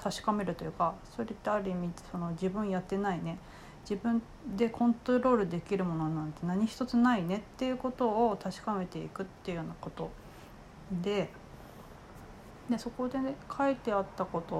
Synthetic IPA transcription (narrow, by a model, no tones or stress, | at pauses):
t̪ʰaɕi̥kame̞ɾɯ̟t̪o̞jɯ̟kaso̞ɾe̞t̪ːeaɾʲɯ̟mʲiso̞no̞d͡ʑibɯ̟̃ɰ̃jat̪ːe̞naine̞ | d͡ʑibɯ̟̃n | d̪e̞kʰõ̞nt̪oɾo̞ːɾɯ̟d̪e̞kʲiɾɯ̟mo̞no̞nãnt̪e̞naɲ̟içi̥t̪o̞t͡sɨnaine̞t̪ːe̞jɯ̟ko̞t̪o̞ːt̪aɕi̥kame̞t̪e̞ḭkɯ̟t̪ːeɯ̟joːnako̞t̪o̞ | d̪e̞ | d̪e̞so̞ko̞d̪e̞kʰait̪e̞at̪ːako̞t̪o̞